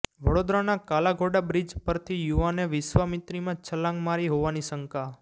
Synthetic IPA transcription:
ʋəɽod̪ɾanakalaɡʱoɖabɾid͡ʒpəɾt̪ʰijuʋaneʋɪʃʋamɪt̪ɾimãt͡ʃʰəlãŋɡmaɾiɦoʋanisəŋka

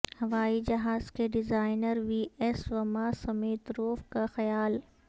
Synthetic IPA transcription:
hɐʋaːid͡ʒɐɦaːzkeɖɪzaːɪnəɾʋiːɛsʋɐmasɐmeːt̪ɾoːfkaxɐjaːl

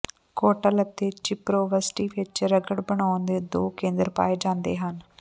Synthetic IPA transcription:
koːʈələt̪eːt͡ʃɪpɾoːʋəsʈiːʋɪt͡ʃɾəɡəɽbəɳaːʊnd̪eːd̪oːkẽːnd̪əɾpa̰ːeːd͡ʒãːnd̪ḛːɦən

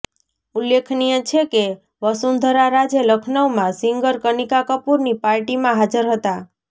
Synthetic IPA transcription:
ulːekʰnijə̃t͡ʃʰeke | ʋəsund̪ʱəɾaɾad͡ʒeləkʰnəʋmãsiŋɡəɾkənikakəpuɾnipaɾʈimãɦad͡ʒəɾɦət̪a

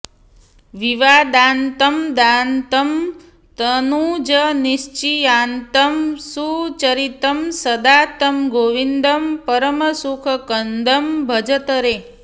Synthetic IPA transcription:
ʋiʋad̪aːnt̪əmd̪ant̪əm | t̪ənud͡ʒəniʃt͡ʃijaːnt̪əmsut͡ʃəɾit̪əmsəd̪at̪əmɡoʋind̪əmpəɾəməsukʰəkənd̪əmbʱəd͡ʒət̪əɾe

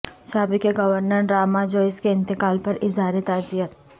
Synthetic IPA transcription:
saːbɪkeɡɐʋəɾnəɾɾaːmad͡ʒoːɪskeɪ̃nt̪ɪkaːlpɐɾɪzaːɾit̪aːzijət̪

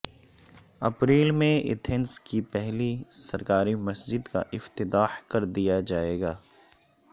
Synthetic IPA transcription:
ɐpɾeːlmẽɪ̰t̪ʰɪnskipɛɦlisɐɾkaːɾimɐsd͡ʒɪd̪ka̰ʔɪft̪ɪt̪aːhkɐɾd̪ijad͡ʒaːeːɡaː

